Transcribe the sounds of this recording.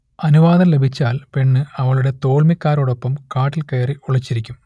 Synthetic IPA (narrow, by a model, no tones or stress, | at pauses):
ɐnuʋaːd̪ɐnle̞bʱit͡ɕːaːlpe̞ɳːɨɐʋɐɭuɽe̞t̪o̞ːɭmikʲːaːɾoɽo̞pːɐmkaːʈːilkɐjɐriuɭɐt͡ɕːiɾikʲːum